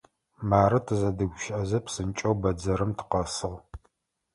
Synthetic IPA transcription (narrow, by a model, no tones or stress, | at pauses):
maːɾɨtʰɨzɐdɨɡʷʃʔɐzɐpsɨnt͡ʃʼɐwbɐd͡zɐɾɨmtʰɨ̥qɐsɨʁ